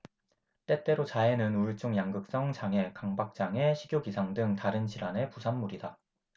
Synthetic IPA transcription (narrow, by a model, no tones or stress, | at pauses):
t͈e̞t͈e̞ɾot͡ɕae̞nɯnuɭt͡ɕ͈oŋjaŋɡɯk̚s͈ʌŋt͡ɕaŋe̞kaŋbak̚t͡ɕ͈aŋe̞ɕʰiɡjoɡisʰaŋdɯŋtaɾɯnɕʰiɾane̞pusʰanmːuɾida